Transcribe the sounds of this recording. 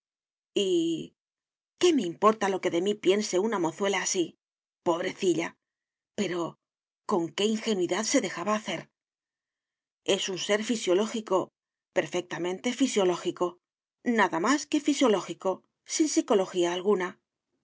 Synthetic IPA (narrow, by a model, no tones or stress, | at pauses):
i | ke̞me̞impo̞ɾt̪alo̞ke̞ðe̞mipje̞nse̞unamo̞θwe̞laːsi | po̞β̞ɾe̞θiʎa | pe̞ɾo̞ | ko̞ŋke̞iŋxe̞nwiðaðse̞ðe̞xaβaːθe̞ɾ | e̞sunse̞ɾfisjo̞lo̞xiko̞ | pe̞ɾfe̞k̚t̪amẽ̞nt̪e̞fisjo̞lo̞xiko̞ | naðamaske̞fisjo̞lo̞xiko̞ | sinsiko̞lo̞xiaːlɣuna